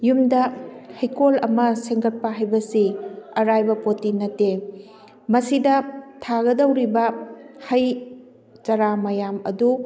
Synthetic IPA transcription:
jumdɐhɐjkolɐmɐseŋɡɐt̚pɐɦajbɐsiɐɾajbɐpotinɐtːe | mɐsidɐtʰaɡɐdɐwɾibɐhɐj | t͡ʃɐɾamɐjamɐ̰du

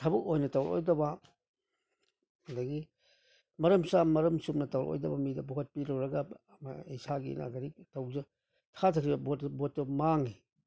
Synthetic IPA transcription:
tʰɐbuk̚ojnɐtawɾʔo̰jdɐba | ɐdaɡi | mɐɾɐmsamɐɾɐmsumnɐtɐwɾʔo̰jdɐbamidɐbukʰɐt̚piɾɐwɾɐɡa | ma̰ejsaɡḭna̰ɡɐɾitɐwzɐ | tʰatʰakʰɾibɐbɔtbɔt̚ːɐmaŋi

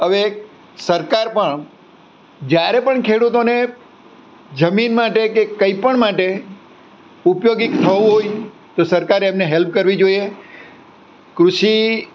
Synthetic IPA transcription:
əʋe | səɾkaɾpəɳ | d͡ʒjaɾepəɳkʰeɽut̪one | d͡ʒəminmaʈekekəipəɳmaʈe | upjoɡɪkt̪ʰəʋũɦoj | t̪osəɾkaɾemneɦelp̚kəɾʋid͡ʒoie | kɾuʃi

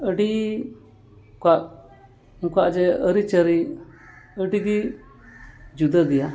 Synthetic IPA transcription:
əɖi | kaʔ | kaʔd͡ʒɛəɾit͡ʃəɾi | əɖid̪i | d͡ʒud̪əd̪ija

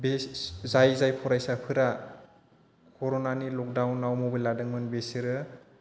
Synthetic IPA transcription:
beszajzajpʰɔɾajsapʰɯɾa | kʰɔɾɔnanilɔk̚dawnːawmɔbɯjladɯŋmɯnbesiɾɯ

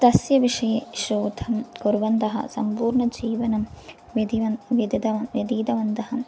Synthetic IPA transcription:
t̪ɐsjɐʋiʂɐjeːʃoːd̪ʱʰɐmkuɾʋɐnt̪ɐɦɐ̰sɐ̰mpuːɾɳɐd͡ʒiːʋɐnɐm | ʋɐd̪iʋɐnʋɐd̪id̪ɐɐʋjɐd̪iːd̪ɐʋɐnt̪ɐɦɐm

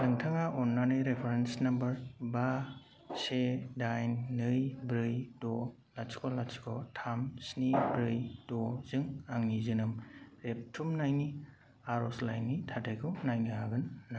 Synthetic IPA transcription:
dɯŋtʰaŋaʔɔnːanɯjɾepʰeɾensnambɐɾba | sedajnːɯjbɾɯjdɔ | lasʰi̥kʰɔlasi̥kʰɔtʰamsnibɾɯjdɔzɯŋaŋnizɯnɯmɾep̚tʰumnajni | aɾɔslajnːitʰatʰajkʰɯwnajnɯɦaɡɯnːa

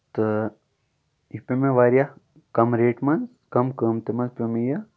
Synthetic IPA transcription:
t̪ɨ | ipʲemẽʋaːɾja | kɐmɾeːʈmɐns | kɐmkəmt̪emɐnspemeja

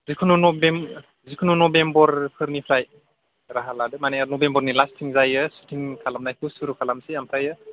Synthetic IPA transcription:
zikʰununɔbem | zikʰununɔbembɔɾpʰɯɾnipʰɾaj | ɾaɦaladɯmaneanɔbembɔɾnilastʰiŋzajɯsu̥tʰiŋkʰalamnajkʰusuɾukʰalamsiamtʰajɯ

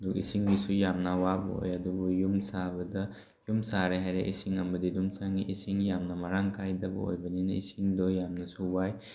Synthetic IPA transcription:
dukḭsiŋbisujamnawabo̰jadubɔjumsabɐda | jumsaɾeɦajɾeʔisiŋɐmbɐdidumsaŋiʔisiŋjamnamaɾaŋkʰajdabɐ̰o̰jbɐninaḭsiŋdɔjamnasuwaj

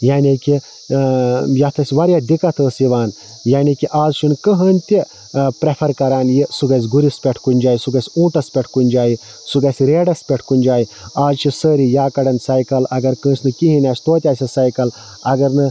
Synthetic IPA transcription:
jaːniki | jɐt̪ʰɐsʲʋɐɾjad̪ikɐt̪ʰəːsiʋaːn | jaːnikiʔaːzt͡ʃʰunkəɦɐnʲt̪i | pɾepʰɐɾkɐɾaːnjisuɡɐsʲɡuɾispʲeʈʰkunʲd͡ʒaːisuɡɐsʲũːʈɐspʲeʈʰkunʲd͡ʒaːji | suɡɐsʲɾeːɖɐspʲeʈʰkunʲd͡ʒaːjaːzt͡ʃʰisəːɾijaːkɐɽɐnsaːjkɐlɐɡɐɾkə̃ːsʲnɨkiɦinʲaːt͡ʃʰʲt̪oːt̪ʲaːsʲɐsaːjkɐl | ɐɡɐɾnɨ

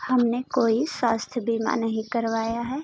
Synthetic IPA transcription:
hɐmnekoːiswaːst̪ʰjəbiːma̰nɐɦĩkɐɾʋaːjaɦɛː

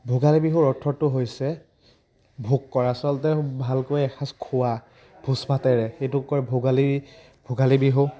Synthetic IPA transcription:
bʱoɡalibiɦuɹɔtʰɔtʊɦojsɛ | bʱukːɔɹasɔltɛbʱalkojɛkʰaskʰʊwa | b̥ʱusbatɛɹɛxejtʊkɔɹɛbʱoɡali | bʱoɡalibiɦʊ

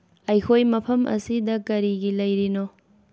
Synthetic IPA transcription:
ɐjkʰojmɐpʰɐmʔɐ̰sidɐkɐɾiɡilɐjɾino

